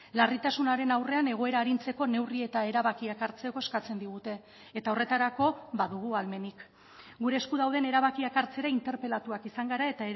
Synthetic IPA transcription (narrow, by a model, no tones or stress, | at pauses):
larit̪asunaɾe̞nawre̞ane̞ɣ̞o̞e̞ɾaːɾint͡se̞ko̞ne̞wrie̞t̪ae̞ɾaβakiakaɾt͡se̞ko̞e̞skat͡se̞nd̪iɣut̪e̞ː | t̪ao̞re̞t̪aɾako̞βaðuɣ̞ualme̞nik | ɡuɾe̞ːskuðawð̞e̞ne̞ɾaβ̞akiakaɾt͡se̞ɾaint̪e̞ɾpe̞lat̪uakisaŋɡaɾae̞t̪ae